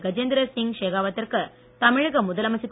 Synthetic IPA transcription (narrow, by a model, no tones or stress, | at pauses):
ɡɐd͡ʒeːnd̪ɾɐsɪŋʂeːɣaːʋɐt̪ːɪrkɯ | t̪ɐmɪɻɣɐmʊðɐlɐmɐsɪt̪ː